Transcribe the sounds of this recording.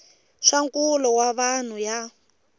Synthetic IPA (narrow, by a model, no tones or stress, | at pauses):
ʂaŋkulɔwaβan̤uja